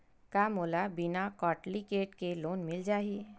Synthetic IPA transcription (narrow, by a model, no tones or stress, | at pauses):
kaːmoːlabɪnakɔːʈlikeːʈkeloːnmɪld͡ʒaːɦi